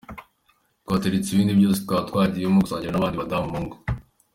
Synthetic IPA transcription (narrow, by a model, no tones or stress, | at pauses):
twaːteɾit͡siβiːndiβjosi̥tkatkwaːdijomuɡosaːɲɟiɾanaβaːndiβadammoŋɡo̥